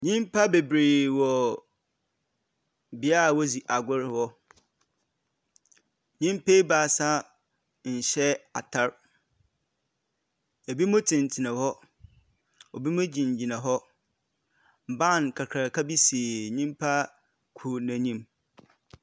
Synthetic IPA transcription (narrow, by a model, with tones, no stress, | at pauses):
ɲĩ˦mpʰa˦be˨bɾe˨wɔ˨ | bɪ˦a˦˨wɔ˦zi˨ʔa˨ɡʷʊ˦ɾɪ˦hɔ˦ | ɲĩ˦mpe˦baː˨˦˨sa˦ | ɲ̩˨ɕɛ˦a˨tʰa˦ɾ | ɛ˨bi˦mʊ̃˦tʰɪ̃˨n˨tʰi˨nã˨hɔ˦ | ɔ˨bi˦mʊ̃˦d͡ʑĩ˨ɲ˨d͡ʑi˨nã˨ɦɔ˦ | m̩˨bã˦˨nkʰa˨kʰa˨kʰa˦bi˦si˨e˨ɲĩ˦mpʰa˦ | kʰu˨nã˨ɲĩ˦m